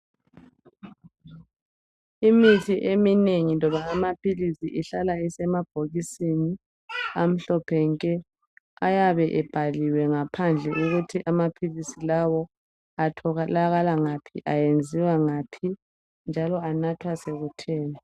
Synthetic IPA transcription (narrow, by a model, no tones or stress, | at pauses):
imitʰiʔemineŋinɔβaːmapʰilisiʔiɬalaisɛmab̥ʱoɣisini | am̩ɬɔpʰɛŋkʼɛ | ajaβɛʔɛb̥ʱaliwɛŋapʰand͡ɮʱɛʔuɣutʰiʔamapʰilisilawɔ | atʰɔɣalaɣalaŋapʰḭʔajend͡zʱiwaŋaːpʰi | nd͡ʒʱalɔanatʰwaseɣutʰɛːnɔ